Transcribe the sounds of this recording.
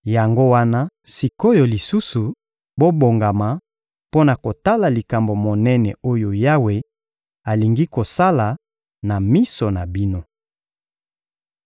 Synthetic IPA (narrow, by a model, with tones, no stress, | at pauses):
ja˨ŋɡo˦wa˦na˦ | si˨ko˦jo˨li˨su˦su˨ | bo˦bo˨ŋɡa˨ma˨ | po˦na˨ko˨ta˦la˨li˨ka˨mbo˨mo˨nɛ˦nɛ˨o˦jo˨ja˦we˦ | a˨li˨ŋɡi˦ko˨sa˦la˨ | na˨mi˦so˨na˨bi˦no˦